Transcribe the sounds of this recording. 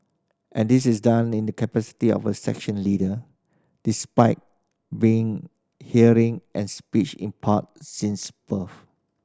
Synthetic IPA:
ʔɛ̃ndis̬ɪsdãnĩndəkʰəpɛsi̥tiɔ̰vəsɛ̰kʃə̃nlidə | d̥ispaɪt̚ | biɪ̃ŋ | hiəɹĩŋʔɛ̃nspit͡ʃɪ̰̃npʰat̚sĩnsb̥əf

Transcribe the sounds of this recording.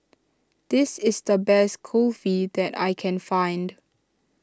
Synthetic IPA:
d̪̥ɪsɪsd̪əbɛskʰofid̪ɛta̰jkʰɛ̃nfãɪ̃nd

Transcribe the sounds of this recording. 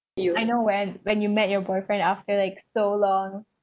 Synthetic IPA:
aɪnowɛ̃nwɛ̃njumɛt̚jɔbɔɪfɹɛ̃ndaftə˞laɪksolɔ̃ŋ

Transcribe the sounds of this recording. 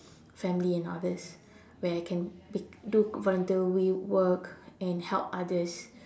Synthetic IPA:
fɛ̃mliɛ̃na̰dəs | wɛajkʰɛ̃nbduvɔlə̃ntilwiwəkɛ̃nhɛ̰lpadəs

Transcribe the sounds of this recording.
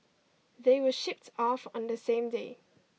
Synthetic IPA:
ðeɪwəʃɪp̚tʰɔfɔ̃n̩ðəsẽːmdeː

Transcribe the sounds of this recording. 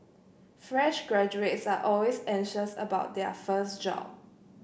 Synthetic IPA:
fɹɛ̃ʃɡɹɛd͡ʒuetsaʔɔlwesɛ̃ŋʃəsə̰baʊt̚dɛəfəsd͡ʒɔ̰b̚

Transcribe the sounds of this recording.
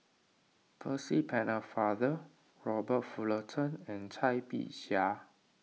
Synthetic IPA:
pʰəsipʰɛ̃nəfadə | ɹɔbət̚fulətʰə̃nɛ̃nt͡ʃʰajpḭʔʃa

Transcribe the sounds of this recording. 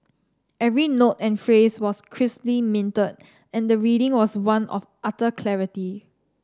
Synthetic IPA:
ʔɛvɹinotɛ̃nfɹeswɔskʰɹɪsplimɪ̃ntəd̚ | ɛ̃ndəɹiɾɪ̃ŋwɔswãnʔɔ̰fʔatəkʰlɛɹiti

